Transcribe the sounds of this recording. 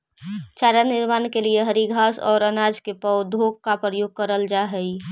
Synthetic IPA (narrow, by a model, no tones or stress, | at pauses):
t͡ʃaːɾanɪɾmaːnkelieɦəɾiɡʱaːsɔ̰ːɾənaːd͡ʒkepəʊd̪ʱoːɡ̚kapɾəjoːɡ̚kəɾəld͡ʒaɦəi